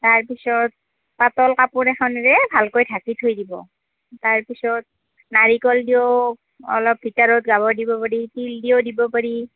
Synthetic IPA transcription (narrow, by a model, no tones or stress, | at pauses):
taɹpisɔt̚ | patɔlkapʊɹɛxʰɔnɹɛbʱalkojtʰakitʰojdibɔ̰ | taɹpisɔt̚ | naɹikɔldijo | ɔ̰lɔp̚ːitaɹɔt̚ɡabɔdibɔpaɹitildiodibɔpaɹi